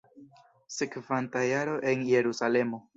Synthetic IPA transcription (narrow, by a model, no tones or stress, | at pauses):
sekvantajaɾo̞ʔe̞nje̞ɾusale̞mo̞